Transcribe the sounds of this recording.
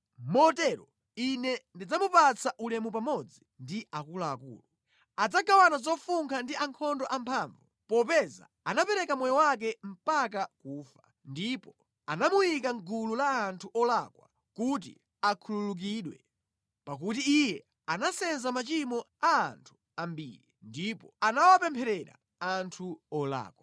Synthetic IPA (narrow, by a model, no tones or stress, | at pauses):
mɔtɛɾɔ | inɛndid͡zamupat͡saʔulɛmupamɔd͡zindiʔakulaːkṵːlu | ad͡zaɡawanazɔfuŋkʰandiaŋkʰɔndɔʔampʰaːɱvu | pɔpɛza̰ | anapɛɾɛkamɔjɔwak̬ɛm̩pak̬akuːfa | ndipɔ | anamujikaŋɡululaːntʰuʔɔlakwa̰ | kut̬ḭ | akʰululuk̬iɗwɛ̰ | pak̬ut̬iijɛ | anasɛnzamat͡ʃimɔ | a̰ːntʰu̥ | ambḭːɾindipɔanawapɛmpʰɛɾɛɾa̰ | antʰuɔla̰ːkwa